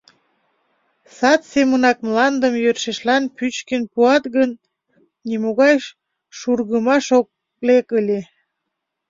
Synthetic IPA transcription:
sɑt̪semənɑk̚mlɑnd̪əmjørʃeʃlɑnpyt͡ɕkenpuɑt̪ɣənː | imoɣɑjʃ | ʃurɣəmɑʃok̚ | lekəlʲe

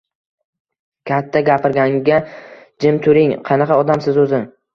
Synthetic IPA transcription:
kʲʰat̪ʰːaɡʲapɪɾɡʲaŋɡʲa | d͡ʒɪmt̪ʰʊɾɪŋqʰɑnɑqʰɑɒd̪amsɪzɵzɪ

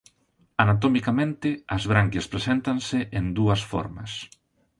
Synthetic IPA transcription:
anat̪̬omikamẽnt̪ɪɐzβɾaŋkespɾesent̪ɐnsɪʔend̪uɐsfɔ̰ɾmɐ̰s

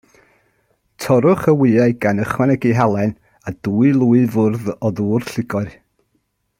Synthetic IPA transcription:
tʰɔɾʊχəwɪaɨjɡanəχwɛnɛɡiɦalˠɛn | aduːɨlˠuːɨvʊrðɔðuːrɬɪɡɔɨr

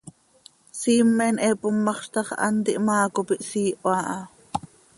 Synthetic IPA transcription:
siːmːɛnʔɛːpomːɑχʃt̪ɑχʔɑ̰nt̪iʔmɑːkopiʔsiːʔoɑʔɑ

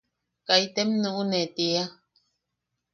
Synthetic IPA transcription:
kaitɛmnuʔunɛtea

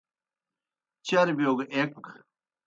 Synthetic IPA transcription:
t͡ɕaːɾibijoːɡɐʔeːk̚pɐk

